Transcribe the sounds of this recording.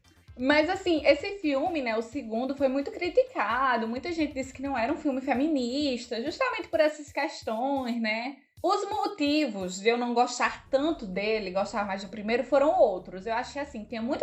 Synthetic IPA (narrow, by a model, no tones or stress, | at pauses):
mɐzasĩesɪfiwmɪnɛʊsɪɡũnd̪ʊfojmũj̃t̪ʊkɾit̪ikad̪ʊmũj̃t̪ɐʒẽnt̪ɪd̪isɪ̥kɪnɐ̃w̃ɛɾɐũfiwmɪfemĩniʃt̪ɐʒuʃt̪amẽnt̪ɪpoɾɛsɐskɛʃt̪õj̃znɛ | ʊzmot̪ivʊzd͡ʒɪewnɐ̃w̃ɡɔʃt̪aɾt̪ɐ̃nt̪ʊd̪elɪɡɔʃt̪aɾmajzd̪ʊpɾimejɾʊfoɾɐ̃w̃owt̪ɾʊsewaʃʊkeɪasĩt̪ĩɲɐ̃mũj̃t̪ʊ